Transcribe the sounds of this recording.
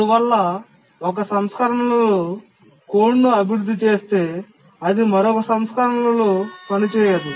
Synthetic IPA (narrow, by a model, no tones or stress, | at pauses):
uʋɐlːɐ | ɔk̬ɐsɐmskɐɾɐɳɐlɐloː | koːɳːuɐbiɾud̪ʱːit͡ʃe̞ːst̪e̞ː | ɐd̪imɐɾoːkɐsɐmskɐɾɐɳɐlɐloːpɐnit͡ʃɛːjaːd̪u